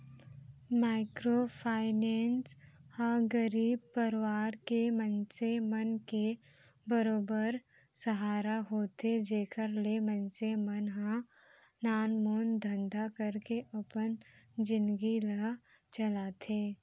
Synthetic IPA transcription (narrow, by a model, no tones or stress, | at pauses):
maːɪkɾopʰaːɪneːnshãɡəɾiːb̚pəɾwaːɾkemə̃nsemənke | bəɾoːbəɾ | səɦaːɾaɦoːt̪ed͡ʒeːkʰəɾlemə̃nsemənɦã | naːnmoːnd̪ʱə̃nd̪akəɾkeʔɐpənd͡ʒɪ̃nd̪ɡilə | t͡ʃəlaːt̪ʰeː